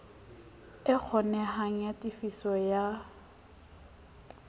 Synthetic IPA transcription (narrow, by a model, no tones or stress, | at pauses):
ɪk͡xʰɔnɛɦaŋ̩jatʼifisɔja